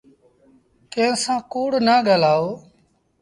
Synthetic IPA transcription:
kẽːsãːkoːɽnaːɠaːlaːoː

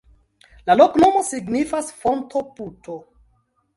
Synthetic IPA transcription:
laloknomo̞siɡnifasfontʰo̞putʰo

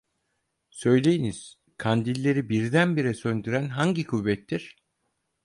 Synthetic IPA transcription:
sø̞jlʲe̞jiniz̥ | kʰand̪ilʲːe̞ɾibiɾd̪ænbiɾɛsønd̪yɾænɦaɲɟikʰuvːɛt̪ːiɾ̥

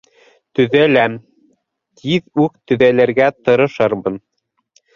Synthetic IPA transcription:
t̪ɵ̆ðælæm | t̪ʰiðʉk̚t̪ɵ̆ðælæɾɡæt̪ɤ̆ɾɤ̆ʃɤɾmɤ̆n

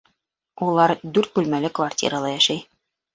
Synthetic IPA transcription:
ulˠɑɾd̪ʉɾt̪̚bʉlmælɘkvartʲḭɾəlˠɑjæʃæj

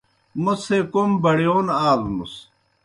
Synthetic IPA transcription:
musekombɐɽjoːnaːlmṵs

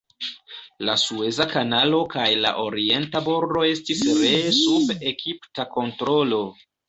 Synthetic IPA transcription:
lasue̞zakanalo̞kajla̰ʔo̞ɾie̞ntaboɾdo̞e̞stisɾe̞sube̞kiptako̞ntɾo̞lo̞

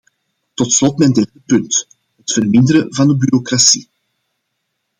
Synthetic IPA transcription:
tɔtslɔtmɛndɛrdəpɵnt | ɦətfərmɪndəɾəvɑndəbyɾokrasi

